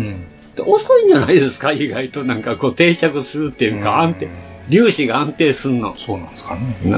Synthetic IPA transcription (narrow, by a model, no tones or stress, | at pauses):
d̪ḛʔosoĩɲ̟d͡ʑana̰id̪e̞sɨ̥kaiɡait̪o̞nãŋkako̞ːt̪e̞ːt͡ɕakɯ̟sɨɾɯ̟t̪ːe̞jɯːkaãnt̪e | ɾʲɨːɕiɡaãnt̪e̞ːsɨɯno̞̰soːnḁ̃skann